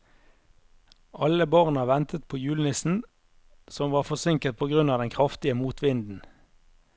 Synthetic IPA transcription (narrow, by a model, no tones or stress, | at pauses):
ʔɑləbɑʁnəʋɛnt̪ət̪̚pʰoːjʉːlnɪsn̩ | sɔmʋɑːʁfɔsɪŋkət̪̚pʰoːɡʁʉnɑːd̪ɛnkʰʁɑft̪ɪəmuːt̪ʰʋɪnd̪n̩